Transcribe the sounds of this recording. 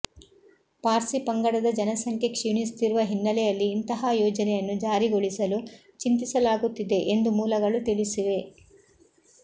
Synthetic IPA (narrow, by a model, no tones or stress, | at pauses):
paːɾsipɐŋɡɐɽɐd̪ɐd͡ʒɐnɐsɐŋkʰjekʂjunist̪iɾuʋɐɦinːɐlɛjɐlːiːnt̪ɐɦajoːd͡ʒɐnɛjɐnːud͡ʒaːɾiɡoɭisɐlu | t͡ʃint̪isɐlaːɡut̪ːid̪e̞ʔend̪umuːlɐɡɐɭut̪iɭisiʋe̞